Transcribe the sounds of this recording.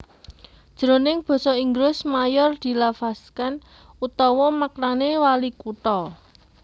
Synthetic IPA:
d̥ʒ̥ɾonɪŋb̥ɔ̤sɔiŋɡɾʊsmajɔrd̪̥i̤lafaskan | ut̪ɔwɔmakɾanewalikut̪ɔ

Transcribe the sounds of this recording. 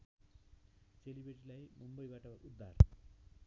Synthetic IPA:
selibeʈilajmumbʌjbaʈʌʔud̪ʱːar

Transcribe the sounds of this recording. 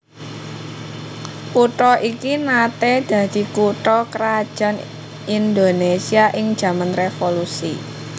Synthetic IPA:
puʈɔʔikinat̪ed̪̥ä̤d̪̥i̤kuʈɔkəɾad̥ʒ̥a̤n | ind̪onesiaʔɪŋ̥ʒ̥ä̤manrefolusi

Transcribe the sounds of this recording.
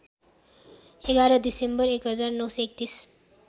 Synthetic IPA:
eɡaɾʌd̪isembʌɾekɦʌd͡zarnʌwsʌek̚t̪is

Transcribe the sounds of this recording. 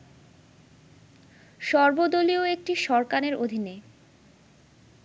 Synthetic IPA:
ʃɔɾbod̪olioek̚ʈiʃɔɾkaneɾod̪ʱine

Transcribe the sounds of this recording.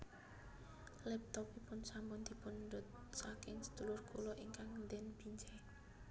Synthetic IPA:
lɛp̚t̪ɔpipʊnsambʊnd̪̥i̤pʊndɔt̪̚sakɪŋsə̥d̪̥ulʊrkulɔʔiŋkaŋnd̪ɛnb̥iɲd͡ʒɛ

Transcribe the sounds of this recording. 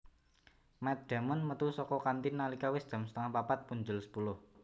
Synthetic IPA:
mɛt̪̚d̪̥a̤mənmət̪usɔkɔkant̪inːalikawɪsd̪̥a̤msə̥t̪əŋahpapat̪̚puɲd͡ʒʊlsə̥pulʊh

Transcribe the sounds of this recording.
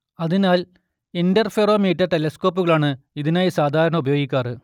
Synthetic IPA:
ɐðinaːl | endɐrfeːroːmeːtːɐtelɐsko̞ːp̬ːuɣɐɭaːɳɨiðinaːjisaːd̪ʱaːɾɐɳɐubɐjo̞ːɡikʲːaːrɨ

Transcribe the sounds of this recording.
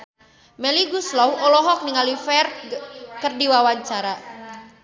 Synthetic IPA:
mɛliɡuslɔwɔlɔɦɔk̚niŋalifɛrt̪̚kərdiwawaɲt͡ʃaɾa

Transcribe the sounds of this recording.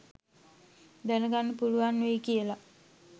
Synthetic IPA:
d̪ænəɡanːəpuluʋanːuʋekijəla

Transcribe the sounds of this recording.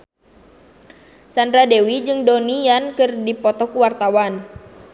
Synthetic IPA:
sandɾadɛwid͡ʒɨŋdonijankɨrdipɔt̪ɔkuwart̪awan

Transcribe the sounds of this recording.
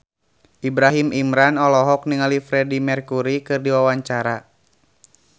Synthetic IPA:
ʔibɾaɦimʔimɾanɔlɔɦɔkniŋalifɾɛdimɛrkuɾikɨrdiwawaɲt͡ʃaɾa

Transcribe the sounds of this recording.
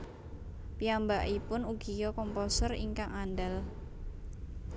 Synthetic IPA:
piambaʔipʊnuɡ̥ijɔkɔmpɔsərḭŋkaŋandal

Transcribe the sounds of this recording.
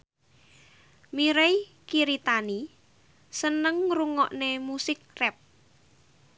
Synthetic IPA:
miɾej | kiɾit̪ani | sənəŋruŋɔʔnemusɪk̚rɛp̚

